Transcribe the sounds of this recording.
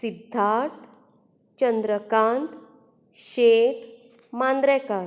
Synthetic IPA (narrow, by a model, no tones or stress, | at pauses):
sid̪ʱːaɾt̪ | t͡ɕənd̪ɾəkãnt̪ | ɕeʈ | mand̪ɾɛkaɾ